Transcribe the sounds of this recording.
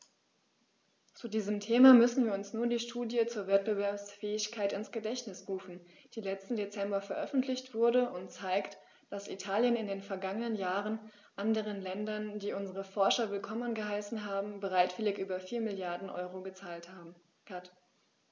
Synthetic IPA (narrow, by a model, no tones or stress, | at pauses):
t͡suːdiːzəmtʰeːmamʏsn̩viːɐʊnsnuːɐdiːʃtʰuːdjət͡suːɐvɛt̚b̥əvɛɐpsfɛːɪçkʰaɪtɪnsɡ̥ədɛçtnɪsʁuːfn̩ | d̥iːlɛt͡stn̩det͡sɛmbɐfɛɐʔœfn̩tʰlɪçtv̥ʊɐdəʔʊntt͡saɪkt | d̥asḭtʰaːljənɪndeːnfɛɐɡaŋənənjaːʁən | ʔandəʁ̞ənlɛndɐndiːʔʊnzəʁ̞əfɔɐʃɐvɪlkʰɔmənɡəɦaɪsn̩ɦaːbm̩bəʁ̞aɪtv̥ɪlɪçʔyːbɐfiːɐmɪljaɐdn̩ʔɔ̰ʏʁoɡət͡saːlthaː | kat